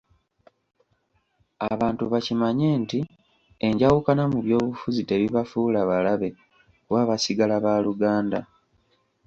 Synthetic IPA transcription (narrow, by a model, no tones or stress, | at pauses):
aβaːntuβacimaɲe̞ːnti | eɲɟawukanamuβjo̞ːβufuzite̞βiβafulaβalaβe̞ | waːβasiɡalaβaluɡaːnda